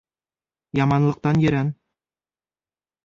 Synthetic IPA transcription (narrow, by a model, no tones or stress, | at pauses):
jɑmɑnlˠɤ̆q̚t̪ɑnjɘ̆ɾæn